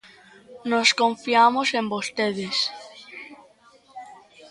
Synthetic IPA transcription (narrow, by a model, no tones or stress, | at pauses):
noskoɱfiamosẽmbost̪eðes